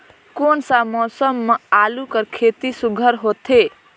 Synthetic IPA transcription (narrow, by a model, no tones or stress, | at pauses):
konsamɔsəmːealukəɾkʰet̪isuɡʱəɾɦot̪ʰe